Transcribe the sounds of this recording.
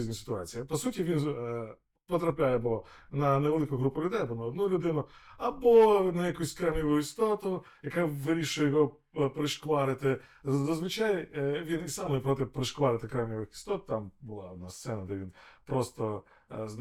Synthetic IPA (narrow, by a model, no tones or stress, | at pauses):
zʲnʲisɪ̥t̪ʊɑt͡sʲijɐpɔsutʲiʋʲin | pɔt̪ɾɐpʲlʲajɛbɔ | nɐneʋelˠɪkʊɦɾupʊlʲʊd̪ɛjɐbɔnɐɔd̪nulʲʊd̪ɪnʊɐbɔnɐjɐkusʲkɾamnʲiʋʊjist̪ɔt̪ʊ | jɐkaʋɪɾʲiʃʊjɛjɔɦɔ | pɾɪʃkʋɑɾɪt̪ɪ | zɐzʋɪt͡ʃajɛʋʲinisɑmɛpɾɔt̪ɪpɾɪʃklɑɾɪt̪ɪkɾawnʲiʋɪxɪ̥st̪ɔt̪̚t̪ambʊlˠa̰ɔd̪̚nast̪sɛnɐd̪ɛʋʲinpɾɔst̪ɔ | z